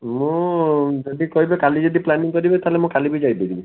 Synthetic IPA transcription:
mũd͡ʒɔd̪ikɔɦibekalid͡ʒɔd̪iplaniŋkɔɾibet̪ʰalemũkalibid͡ʒajbidibi

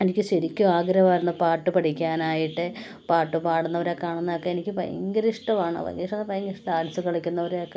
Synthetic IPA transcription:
enikʲːɨɕɐɾikʲːuaːɡɾɐʋaːɾunːɐpaːrʈːɨpɐʈikʲːaːnaːjiʈːɨ | paːʈːɨpaːɽunːɐʋɐɾekːaːɳunːɐɐkːeenikʲːɨpɐ̰jɐ̰ŋɡɐɾiʂʈɐmaːɳɨ̰pɐ̰jɐ̰ŋɡɐɾiʂʈːɐnːɐpɐjɐŋɡɐɾiʂʈɐaːlɐsɨkɐɭɐkʲːunːɐʋɐɾeokːe

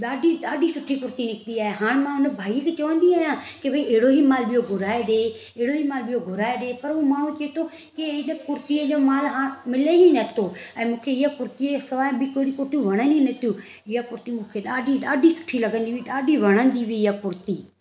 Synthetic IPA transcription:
ɗaːɖʱiɗaːɖisʊʈʰikʊɾt̪inɪkniaːɦeɦaːɽ̃mãʊnəbʱaːikʰet͡ɕɐʋə̃nd̪iaːjãːkebʱɐĩeɦɪɽoɦimaːlɓɪjoɡʱʊɾaːeɗeː | eɪɽoɦimaːlɓijoɡʱʊɾaːeɗeːpɐɾumaːɽ̤̃ũt͡ɕɐet̪ʰo | keɪnəkʊɾt̪iəd͡ʒoːmaːlɦaːmɪleɦinɐt̪ʰoɛ̃ːmũːkʰeɪɦakʊɾt̪iesɐʋaːjbikoːɾikʊɾt̪ijũʋɐɽ̃ə̃ninɐt̪ʰijũː | ɪakʊɾt̪imũːkʰeɗaːɖiɗaːɖisʊ̥ʈʰilɐɡə̃nd̪iʋiɗaːɖiʋɐɽ̃ə̃nd̪iʋiɪjapʊɾt̪iː

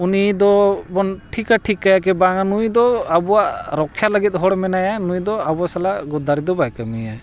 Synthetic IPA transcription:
unid̪ɔbɔnʈʰikaʈʰikajakɛbaŋanujd̪ɔabɔwaʔɾɔkʰːjaləɡit̪̚ˀɦɔɽmɛnajanujd̪ɔabɔasalaʔɡɔd̪aɾid̪ɔbajkamija

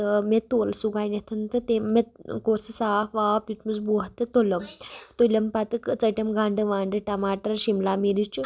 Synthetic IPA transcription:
əmet̪olsuɡajnet̪ʰɐnt̪ət̪eːet̪kosisafʋapitmuzbuɦt̪ət̪oləmt̪olʲɐmpat̪ɨkt͡səʈʲɐmɡãɳɖɨʋaɳɖɨʈɐmaʈəɾɕimlamiɾit͡ʃu

